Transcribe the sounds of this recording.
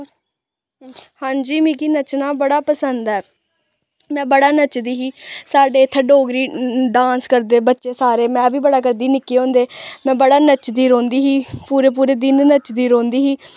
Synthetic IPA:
hãːɲd͡ʒiːmĩːkiːnət͡ʃnaːbəɽaːpəsənd̪ɛː | mɛ̃ːbəɽaːnət͡ʃd̪iːɦiːsaːɖeːt̪ʰːəɖoːɡɾiːɖãːnskəɾd̪eːbətːʃeːsaːɾeːmɛ̃ːbiːbəɽaːkəɾd̪iːnɪkːeːõːnd̪eːmɛ̃ːbəɽaːnət͡ʃd̪iːɾõːnd̪iːɦiːpuːɾeːp̬uːɾeːd̪ɪnnət͡ʃd̪iːɾõːnd̪iːɦiː

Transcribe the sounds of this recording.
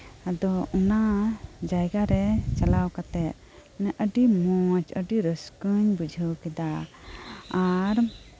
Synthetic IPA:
ad̪ɔɔnad͡ʒajɡaɾɛt͡ʃalawkat̪ɛt̪̚ | nɛʔəɖimɔt͡ʃəɖiɾəskəɲbud͡ʒʱəwkɛd̪aː | ɾ

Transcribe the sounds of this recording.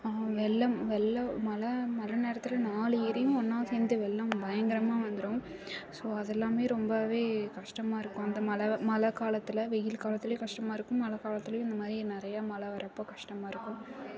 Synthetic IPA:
ʋɛlːɐmʋɛlːɐmɐlɐmɐlɐneːɾɐt̪ːɪlɐnaːlɯiɾɐjʊ̃ɔnːaːseːnd̪ɯʋɛɭːɐmbɐjɐŋɡɪɾɐmaːʋɐnd̪ɯɾoːm | soːɐðɛlːaːmeːɾɔmbɐʋeːkɐʂʈɐmaːɪɾɯkːʊ̃ɐnd̪ɐmɐlɐmɐlɐkaːlɐt̪ːɪlɐʋɛjɪlkaːlɐt̪ːɪlɐj̃kɐʂʈɐmaːɪɾɯkːʊ̃mːɐlɐkaːlɐt̪ːɪlɐjʊ̃ɪnd̪ɐmaːðɾinɪɾɐjamɐlɐʋɐɾɐpːoːkɐʂʈɐmaːɪɾɯkːʊ̃m

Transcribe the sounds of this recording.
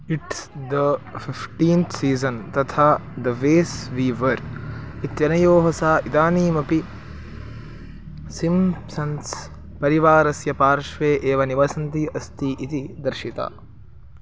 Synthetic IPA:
iʈsd̪ɐfifʈĩːnt̪ʰsiːzɐnt̪ɐt̪ʰaːd̪ɐʋeːsʋiːʋɐɾ | it̪jɐnɐjoːɦɐsaːʔid̪aːniːmɐpi | simsɐns | pɐɾiʋaːɾɐsjɐpaːɾʃʋeːʔeːʋɐniʋɐsɐnt̪iʔɐst̪iːʔit̪id̪ɐɾʃit̪a̰ː

